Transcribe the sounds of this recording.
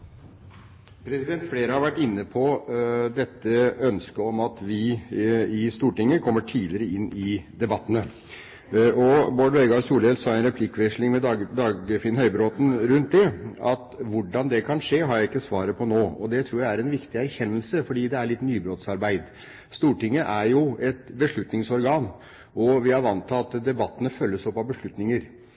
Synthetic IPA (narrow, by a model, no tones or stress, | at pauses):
pʰɾɛsɪd̪ɛnt̪fleːɾəhɑɾʋæʈːɪnːəpʰɔd̪ɛt̪ːəœnskəɔmɑt̪ʋɪ | ɪst̪uːʈɪŋːəkʰɔmːəʈʰiːlɪɾəɪnːɪd̪ɛbɑt̪ːənə | ʔɔboɖʋɛɡɑɾsuːlɛlsɑːɛnɾɛpʰlɪkːʋɛʂlɪŋmɛd̪ɑːɡəfɪnhœʏbɾoːt̪n̩ɾʉnt̪̚d̪ɛɑt̪ʋʊɖɑnd̪ɛkʰɑnʂeːɦɑɾjæɪɪkːəsʋɑːɾəpʰɔnoːɔd̪ɛt̪ʰɾuːɾjæɪæɾɛnʋɪkt̪ɪæɾçɛnːəlsəfɔɖiːd̪ɛæɭɪt̪ːnyːbɾoːt̪sɑɾbæɪd̪ | st̪uːʈɪŋːəʔæɾjʊɛt̪bəʂɭʉt̪nɪŋsɔɾɡɑːn | ʔɔʋɪɑɾʋɑnt̪ʰɑɑt̪d̪ɛbɑt̪ːənəfœlːəsɔpːɑʋbəʂɭʉt̪nɪŋəɾ